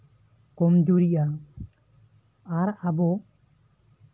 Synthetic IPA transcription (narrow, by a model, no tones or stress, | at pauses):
kɔmd͡ʒuɾiʔa | aɾabɔ